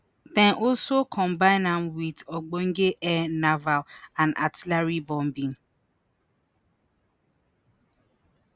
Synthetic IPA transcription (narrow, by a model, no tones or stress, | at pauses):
tɛ̃nʔɔsokʰɔ̃mbaɪ̃namwidɔɡ͡bɔŋ̩ɡeʔɛnavalãna̰tilaɾibɔm̩bin̩